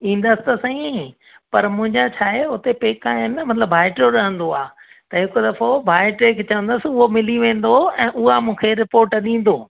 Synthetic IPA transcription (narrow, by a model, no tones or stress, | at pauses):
ĩːn̆d̪əsɪ̥t̪ɐsɐ̃ĩ | pɐɾmʊ̃ɦɪ̃ɲd͡ʑat͡ɕʰaːɦeʊt̪epeːkaːɦɪnɪmɐt̪ləbbaːɪʈɾoɾɐɦə̃nd̪oaː | t̪ɐɦɪkʊd̪ɐfobʱaːɪʈɾeːkt͡ɕɐʋə̃nd̪əsɪʊɦomɪliʋẽːn̆d̪oɛ̃ːʔʊɦamũːkʰeɾɪpoːɾʈɗĩːn̆d̪oː